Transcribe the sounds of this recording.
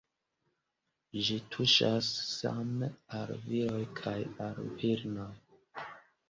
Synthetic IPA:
d͡ʒitʰuʃasːa̰mealviɾo̞jkʰajalviɾnoj

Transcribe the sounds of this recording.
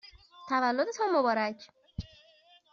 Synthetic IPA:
t̪ʰævælːod̪et̪ʰɒːmːobɒːɾæcʰ

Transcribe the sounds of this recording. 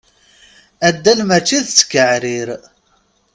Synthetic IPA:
æd̪ːælmæt͡ʃːiðt͡sːə̥kːəʕɾiɾ

